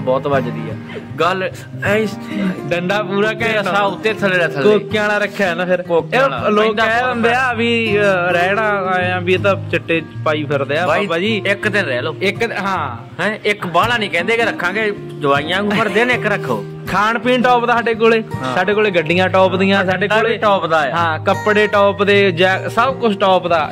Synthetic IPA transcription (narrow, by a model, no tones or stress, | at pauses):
bɔːt̪ʋəd͡ʒd̪iːɛ̰ːɡəl | ɖəɳɖaːpuːɾaːkeəsaːʊt̪ːeːt̪ʰəlːaːt̪ʰəloːkːaːɽ̃aːɾəkʰːaːɛnãːpʰɪɾkoːkːloːk̪ːɛːənd̪eːaːʋiːɾɛːɽãːãːbiːt̪ãːt͡ʃəʈːeːpaːiːpʰəɾd̪eːaːabaːd͡ʒiːɪkt̪eɾɛːloːɪkɦãː | ɪkbaːlaːnĩːkɛ̃ːnd̪eːkɪɾəkʰːãːɡeː | d̪ʊʋaːijãːpəɾd̪eːnɪkɾəkʰːo̰ː | kʰaːɳpiːnʈɔːpd̪aːsaːɖeːk̬oːleːsaːɖeːkoːleːɡəɖɪjãːʈɔːpd̪ɪjãsaːɖeːkoːleːʈɔːpd̪aːɦãːkəpɽeːʈɔːpd̪eːd͡ʒaːsəbkʊt͡ʃʰʈɔːpd̪aː